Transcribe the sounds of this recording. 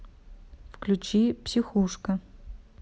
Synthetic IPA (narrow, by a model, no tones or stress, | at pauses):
fklʲut͡ʃʰipsʲixuʂkɐ